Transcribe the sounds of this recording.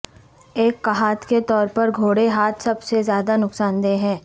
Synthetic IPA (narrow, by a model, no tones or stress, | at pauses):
eːkːɐɦaːt̪ket̪ɔːɾpɐɾɡʱoːɽeɦaːt̪ʰsɐbsezjaːd̪anʊksaːnd̪eːɦɛ̃ː